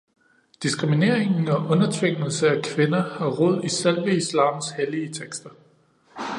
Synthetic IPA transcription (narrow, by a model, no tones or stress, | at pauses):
d̥isɡ̥ʁimine̝ɐ̰e̝ŋn̩ɒ̽ʔɔ̽nɐt͡sʰʋeŋ̰l̩səækʰʋe̝nɐhɑ̈ʁɔð̞̰ˠiselʋəislɑ̰̈ːmsheliət͡sʰeɡ̥sd̥ɐ